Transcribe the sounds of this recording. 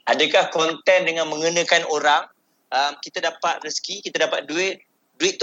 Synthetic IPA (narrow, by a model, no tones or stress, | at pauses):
adəkahkɔnt̪ɛndəŋãnmə̃ŋunə̃kanoɾaŋ | ʔəmkit̪adapat̪̚rəskikit̪adapat̪̚duɪt̪̚ | duɪt̪ː